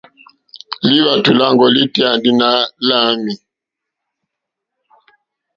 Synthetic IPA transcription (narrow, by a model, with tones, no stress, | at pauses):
li˦βa˨tu˨la˦ŋɡɔ˨li˦ti˦a˨ndi˦na˦la˦mi˨